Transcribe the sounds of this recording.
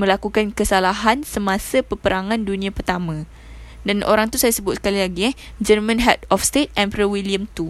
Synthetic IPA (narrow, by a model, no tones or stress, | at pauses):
mə̃lakukankəsalaɦansəmãsapəpəɾaŋãndunĩãpərt̪amã | danʔo̰ɾaŋt̪usajasəbʊt̪̚sə̥kalilaɡiɛ | d͡ʒərmãnɦɛt̪̚ɔfst̪et̪̚ɛmpɾəwiliəmt̪u